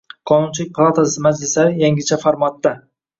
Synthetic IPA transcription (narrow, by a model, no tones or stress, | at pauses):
qʰɒnʊnt͡ʃʰɪlɪk̚ʲpʰlˠat̪ʰasɪmad͡ʒlɪslaɾɪjaŋɡʲɪt͡ʃʰafaɾmat̪ːa